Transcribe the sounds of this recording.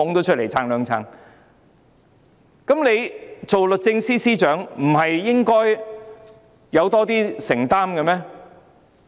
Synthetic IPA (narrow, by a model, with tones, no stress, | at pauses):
ʊ˨˥ŋt̪o˧˥wt͡ʃʰt̚le˨˩jt͡sʰaː˧ŋlœː˨˧ŋt͡sʰa̰ː˧ŋ | kɐ˨˥mne˨˧jt͡so˨wlɵ˨k̚t͡sɪ˧ŋsiː˥siː˥t͡ʃœː˨˥ŋm̩˨˩ɦɐ˨jːɪ˥ŋkɔː˥j | jɐ˨˧wt̪ɔː˥t̪iː˥sɪ˨˩ŋt̪aː˥mkɐ˧mɛː˥